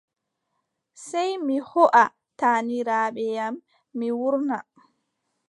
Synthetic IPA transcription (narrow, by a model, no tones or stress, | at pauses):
sɛjmihɔʔa | taːniɾaːɓɛjamː | iwuɾna